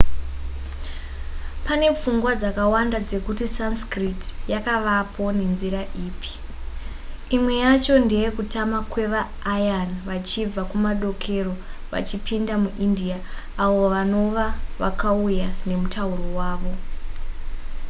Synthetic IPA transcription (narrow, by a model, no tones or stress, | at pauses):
pane̞p͡fuŋɡwad͡zakawandad͡ze̞kutisanskritjakaʋapʰo̞ne̞nziraʔiːpʰi̥ | imwe̞jat͡ʃo̞ndejekutamakwe̞ʋaː | janʋat͡ʃib͡vakumaɗo̞kʰe̞ro̞ʋa̰t͡ʃipʰindamuʔindiaː | ʋo̞ʋano̞ʋaʋa̰kaujane̞mutauro̞waːʋo